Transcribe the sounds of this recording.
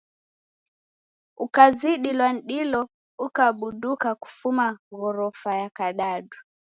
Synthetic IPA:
ukaziɗilwan̩ɗilɔ | ukaɓuɗukaku̥fumaɣɔɾɔfajakaɗaɗu

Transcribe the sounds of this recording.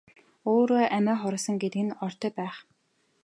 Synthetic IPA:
oːɾoːʔæmæːχɔɾɞ̆sə̆ŋɡet̪ɘ̆kɘ̆nɔr̥t̪œːpæːχ

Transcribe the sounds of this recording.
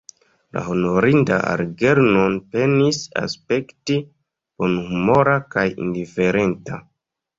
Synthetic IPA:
la̰ho̞no̞ɾinda̰a̰ɾɡe̞ɾnonpe̞nisa̰spe̞kti | b̥o̞nhumo̞ɾakajḭndife̞ɾe̞nta

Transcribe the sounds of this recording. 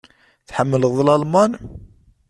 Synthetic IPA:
θħəmːələðˤlɑlmɑn

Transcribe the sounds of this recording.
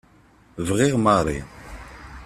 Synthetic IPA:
vʁiʁmɑʁɾˤḭn

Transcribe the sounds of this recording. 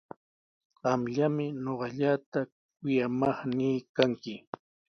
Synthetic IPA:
ɢɑmʎamɪɲoɢɑʎat̪a | k̚ʊjamɑχniːkaŋkɪ

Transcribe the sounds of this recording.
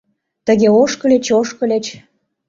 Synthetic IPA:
t̪ə̆ɣeoʃkə̆lʲet͡ɕoʃkə̆lʲet͡ɕ

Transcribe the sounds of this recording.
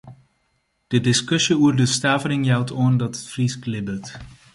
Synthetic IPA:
d̥ədɪskɵsjəurdəstaːvəɾɪŋjawtʰoəndɑtətfrisklɪbət

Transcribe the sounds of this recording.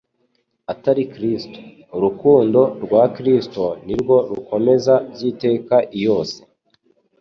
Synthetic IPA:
ataɾikɾisto̥ː | ɾukuːndo̞ɾɡwaːkɾistoniɾɡo̞ɾuko̞me̞zabziːte̞ːkaʔijo̞ːse

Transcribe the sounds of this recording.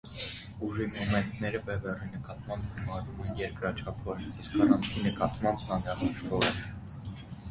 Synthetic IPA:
uʒimɔmɛnt̪nɛɾəpɛvɛrinəkɑt̪mɑmbɡumɑɾumɛnjɛɾkɾɑt͡ʃʰɑpʰɔɾniskʰɑrɑnt͡sʰinəkɑt̪mɑmbnɑnɾɑʁɑʃvɔɾɛ

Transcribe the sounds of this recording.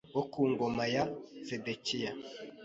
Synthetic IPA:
wokuːŋɡomajasedekija

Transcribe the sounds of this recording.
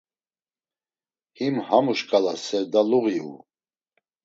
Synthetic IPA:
himhamuʃkʼalasɛɾd̪aluɣiṵ

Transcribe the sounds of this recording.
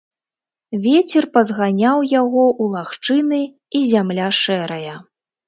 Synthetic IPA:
vʲet͡sʲɛrpɐzɣanʲawjaɣɔʔulˠaxt͡ʂɨnɨ | izʲamlʲaʂɛɾɐjɐ

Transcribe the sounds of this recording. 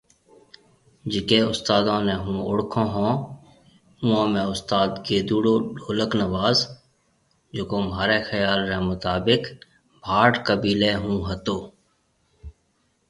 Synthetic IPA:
d͡ʒɪkeʊst̪aːd̪õːnẽɦũʊɽkʰõːɦõː | ʊ̃õːmẽʊst̪aːd̪keːd̪uːɽoːɖʱoːləknəʋaːz | d͡ʒoːkomaːɾexəjaːlɾemʊt̪aːbɪk | bʱaːʈkəbiːleɦũɦət̪oː

